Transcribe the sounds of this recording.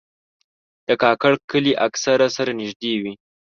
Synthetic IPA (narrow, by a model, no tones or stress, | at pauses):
d̪̥əkɑkaɽkəliʔaksaɾasaɾanɪʒd̪ewi